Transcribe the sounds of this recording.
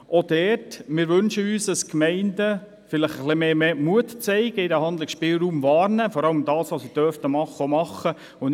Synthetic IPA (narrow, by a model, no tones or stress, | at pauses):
ʔɔd̥ɛːtmɪːɾʋɵnʃəyːsdəskmɛɪndə | fɪləχəχlimeːmeːmuətt͡sɛɪɡ̥əɪdæhɑnd̪lɪksʃpɪːlɾuːmvɑːɾnəfɔɾɑləmd̥ɑːsʋosid̥œftəmɑχːəomɑχːə | ʊn